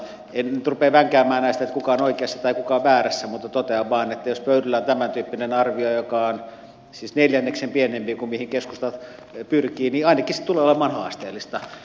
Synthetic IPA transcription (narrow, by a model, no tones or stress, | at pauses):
enyt̪rupeːʋæŋkæːmːæːnæist̪æet̪kukɑonoikeɑsːɑt̪ɑikukɑʋʋæːræsːæmut̪ːɑt̪ot̪eɑʋʋɑːnet̪ːæjospøyɾylːæont̪æmænt̪yːpːinenɑrʋiojokɑon | sisneljænːeksempienempiːkumihiŋkeskust̪ɑ | pyrkiːniɑinɑkisi̥t̪uleːolemːˑɑːnhɑːst̪ḛːlːist̪ɑ